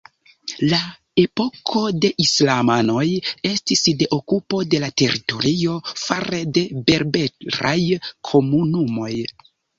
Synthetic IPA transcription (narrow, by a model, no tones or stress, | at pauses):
la | e̞po̞kʰo̞de̞ʔislamano̞je̞stisde̞ʔokupo̞de̞late̞ɾito̞̰ɾio̞faɾede̞be̞ɾbe̞ɾa̰jkʰo̞munumo̞j